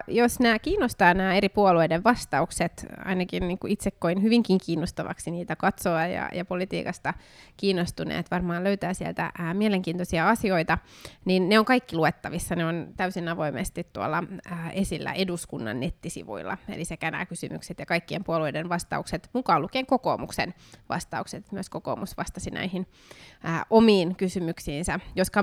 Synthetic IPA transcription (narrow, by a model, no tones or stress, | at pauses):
josnæːkiːnːost̪ɑːnæːeɾipuolueideʋʋɑst̪ɑukset̪ɑ̰inɑkinniːŋkuʔit̪sekːoinhyʋiŋkiŋkiːnːost̪ɑʋɑ̰ksiniːt̪ækɑt̪soɑjɑ̰jɑpolit̪ḭːkɑst̪ɑ | kiːnːost̪unḛːt̪ʋɑrmɑːløyt̪æːsiɛ̰lt̪æ̰miɛleŋkiːnt̪osiɑɑsioit̪ɑninːeoŋkɑikːiluet̪ːɑʋisːɑneont̪æysinɑʋoimḛst̪it̪t̪uɑ̰lːɑːʔesilːæ̰ʔeduskunːɑ̰nːet̪ːisḭʋṵilːɑ̰ḛlisekænæ̰kysy̰my̰kset̪jɑkɑikːiempuoluidenʋɑst̪ɑ̰ukset̪mukɑːlukeːŋkoko̰ːmuksḛnʋɑ̰st̪ɑukset̪emyøskoko̰ːmusʋɑst̪ɑsinæ̰ihinː | ʔomiːnkysymyksiːnsæjoskɑ